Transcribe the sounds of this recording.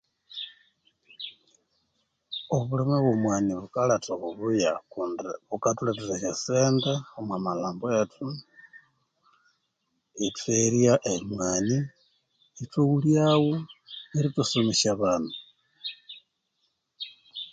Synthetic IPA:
oβulemeβwomwaniβukalatoβuβujakundβukatulatuteʃaseːndaomwamalaːmboetʰu | itweɾjaʔemwaːniː | towuljawoeɾitusomiʃaβanu

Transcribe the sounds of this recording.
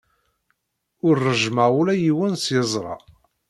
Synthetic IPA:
ʊɾːəʒməʁulæjiwənsjəzˤɾˤɑ̰

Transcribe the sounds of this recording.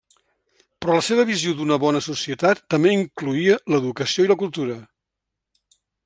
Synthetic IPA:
pɾɔləseβ̞əβizjod̪unəβɔnəsusiət̪at̪ːəmbeiŋkluiələðukəsioiləkulˠt̪uɾə

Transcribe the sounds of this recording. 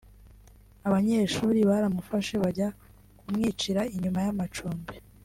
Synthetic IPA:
aβaɲe̞ːʃuːɾiβaɾamufaʃe̞βaɟa | kumŋiːt͡ʃiɾaiɲumajamat͡ʃuːmbe

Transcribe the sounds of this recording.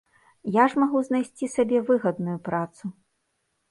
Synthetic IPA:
jaʐmaɣuznajsʲt͡sʲisabʲɛvɨɣɐd̪nujupɾat̪su

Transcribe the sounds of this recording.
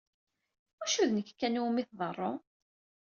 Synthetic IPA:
æʃuðnəkːkːænumiθðˤərˤːo

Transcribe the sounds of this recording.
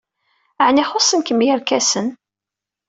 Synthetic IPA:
ʕniχosˤənkəmjəɾkæsən

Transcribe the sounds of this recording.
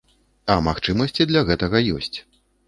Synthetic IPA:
ɐmaxt͡ʂɨmɐsʲt͡sʲid̪lʲɐɣɛt̪ɐɣɐjɔ̰sʲt͡sʲ

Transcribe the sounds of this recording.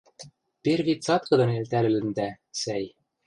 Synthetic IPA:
perɾvit̪sɑt̪kɤd̪ɑnejlt̪ælelɘnd̪æ | sæj

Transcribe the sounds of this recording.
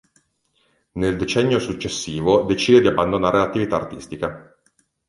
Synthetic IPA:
neld̪et͡ʃɛnːjosut͡ʃːesːiːvod̪et͡ʃiːd̪ed̪iabːand̪onaːɾelat̪ːivit̪aːrt̪ist̪ika

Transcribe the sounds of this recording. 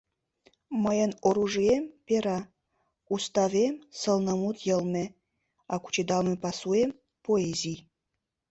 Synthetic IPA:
məjənoɾuʒiempeɾɑ | ust̪ɑvemsəlˠnə̆mut̪jə̆lˠme | ɑku̥t͡ɕed̪ɑlmepɑsuem | poezʲij

